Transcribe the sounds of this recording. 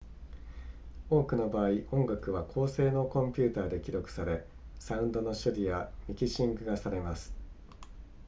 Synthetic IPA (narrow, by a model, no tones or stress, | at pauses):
o̞ːkɯ̟no̞baːiʔõ̞ŋɡakɯ̟βakʰo̞ːse̞ːno̞kõ̞mpʲɨːt̪aːd̪e̞kʲiɾo̞kɯ̥saɾe̞ | saɯ̟̃nd̪o̞no̞ɕoɾʲijamʲikʲiɕĩŋɡɯ̟ɡasaɾe̞masɨ̥